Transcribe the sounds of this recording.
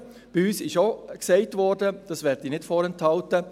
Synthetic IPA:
b̥iyːsɪʃoksɛɪtvɔːɾdəd̥ɑsʋɛːɾdiːnɪtfɔːɾɛnthɑltə

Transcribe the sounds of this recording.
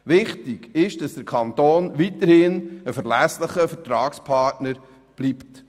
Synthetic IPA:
ʋɪχtɪɡɪʃd̥ɑsd̥əɾkʰɑnt̪oːnʋitəɾhɪnəfəɾlæsləχəfəɾtɾɑːkspʰɑɾtnəɾ | b̥lipt

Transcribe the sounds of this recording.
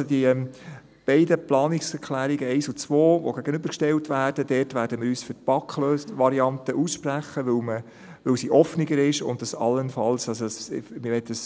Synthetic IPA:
sodiɛm | b̥ɛɪdəplɑːnɪksɛɾkʰlæːɾiɡəɛɪsʊt͡sʋoːʋo̰ɡæɡənʏbəɾkʃtɛltʋæːrd̥əd̥ɛːtʋæːɾdəmɪːɾyːsføt̚pɑkʰløːsʋɑɾiɑntəʔusʃpræχːəʋʏwmə | ʋɵwsiʔɔfnɪɡəɾɪʃʊ̰ndɑsɑ̰lːənfɑlsɑssmɪʋɛtːdəs

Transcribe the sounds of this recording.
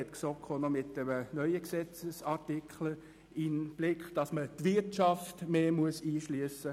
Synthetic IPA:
ɛtksoːkʰoːnɔmɪtəmənœʏəksɛt͡səsɑʁtɪkχlə | ɪnb̥lɪkχd̥ɑsmətʋɪɾtʃɑftmeːmuəsiːʃlyəsə

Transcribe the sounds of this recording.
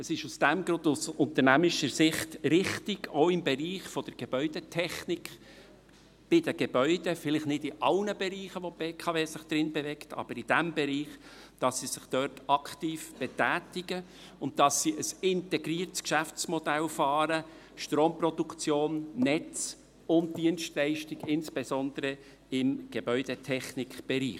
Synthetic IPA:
əsɪʃusd̥̪æmɡɾʊnd̪usʊnt̪əɾnæmɪʃəɾsɪχtɾɪχtiɡoʊɪmbɛɾiːχfɔd̪̥əɾɡ̥eb̥œʏd̥etʰɛχnɪkχ | b̥ɪd̥əɡ̥eb̥œʏd̥̪ɛfɪlɪχtnɪdɪʔɑlnəbeɾiːχəʋɔpeːkʰɑveːsɪχd̥̪ɾɪnbɛvɛktɑ̰b̥əɾid̥æmbɛɾiːχ | d̥ɑsːisɪχd̥œrtɑktiːfb̥ɛtæːtɪɡə | ʊnt̚dɑsːiʔəsɪntɛɡɾiːərtskʃæft͡smɔd̥ælfɑːɾə | ʃtroːmprɔd̥ukt͡sjoːnːɛt͡s | ʊnt̚d̥iənstlɛɪʃtiɡɪnsb̥ezɔnd̪əɾə | ɪmɡ̥ebœʏd̥etʰɛχnɪkχb̥ɛɾḭː

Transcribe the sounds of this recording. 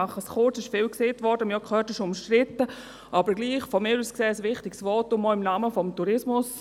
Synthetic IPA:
aχəsχʊɾt͡sɪʃfɪːlkseːtvʋɔɾdəmjɔkʰχøːtəʃʊmʃtrɪtə | ʔabəɾɡliːχfɔmɪːɾuskseːəsʋɪχtɪɡsvɔːtʊmːɔɪmnaːməfɔmtuɾɪsmʊs

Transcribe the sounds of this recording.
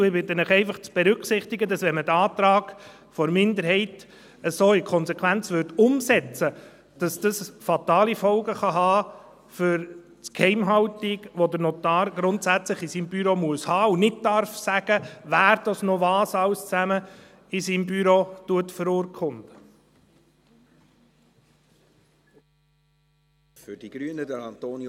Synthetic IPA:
ɪbɪt̪ːənɪχɛɪfɑχt͡sb̥ɛɾʏkχsɪχtiɡədɑsʋɛnmədɑːt̪ɾɑːɡ̥ | fɔɾmɪndəɾɦɛɪt | əsoːɪkʰɔnsɛkʰʋænt͡sʋʏɾtʊmsɛt͡sə | d̥ɑsd̥ɑsfɑtɑːlifɔlɡəχɑɦɑː | fʏɾ | t͡skʰhɛɪmɦɑwtiɡʋodəɾnot̪ɑːɾɡ̥ɾʊntsæt͡slɪχisiːmbyɾomuəshɑːunɪt̚dɑɾfsæɡ̥əvæːɾd̥ɑsnoʋɑːsɑwst͡sæmə | ɪsiːmbyɾotuətfəɾʊːɾkʰʊnd̪̥ə | fʏɾd̥iɡ̥ɾyənədɛɾɑnt̪oːn

